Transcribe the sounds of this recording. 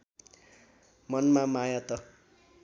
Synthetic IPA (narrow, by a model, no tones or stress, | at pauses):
mʌnmamajat̪ʌ